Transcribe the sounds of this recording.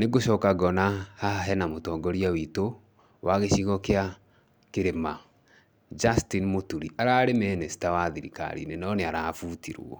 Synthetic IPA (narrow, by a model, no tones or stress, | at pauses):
neɣoʃɔːkaɣɔnahaɦɛnamotɔːŋɡɔɾiawito | wʔaɣeʃiɣɔkea | keɾema | d͡ʒastinmotuɾiaɾaːɾemɛːnɛsi̥tawaðiɾika̰ɾḭnenɔneaɾaːfuːtiɾṵɔ̰